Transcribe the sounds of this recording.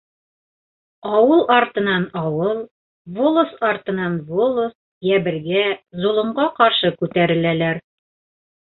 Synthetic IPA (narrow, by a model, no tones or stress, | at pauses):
ɑwɤlˠʔɑɾt̪ɤ̆nɑnɑwɤlˠ | volˠosɑɾt̪ɤ̆nɑnvolˠos | jæbɘ̆ɾɡæzulˠŏɴɢɑqɑɾʃɤkʉt̪æɾɘ̆lælæɾ